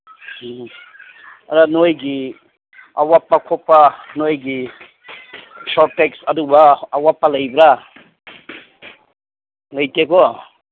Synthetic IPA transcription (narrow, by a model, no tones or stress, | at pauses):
aɾanojɡi | a̰wapːakʰɔpːanojɡi | sɔtːeksɐdubaːwapːalajbɾa | lajteɡɔ